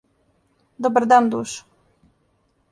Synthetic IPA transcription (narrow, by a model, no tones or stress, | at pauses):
d̪ɔbɾd̪and̪uʃ